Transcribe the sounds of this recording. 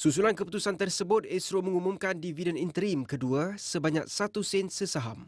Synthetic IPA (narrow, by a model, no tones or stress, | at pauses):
susulankəput̪usant̪ərsəbʊt̪̚ɛsɾomə̃ŋumũmkandividənint̪əɾimkəduasəbaɲa̰k̚sat̪usɛnsəsaɦam